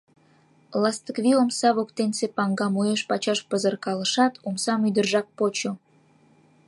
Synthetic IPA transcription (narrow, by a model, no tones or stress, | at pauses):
lɑst̪əkβiomsɑβokt̪ensepɑŋɡɑmujeʃpɑt͡ɕɑʃpəzərkɑlə̆ʃɑt̪ʰomsɑmyd̪ərʒɑk̚pot͡ɕo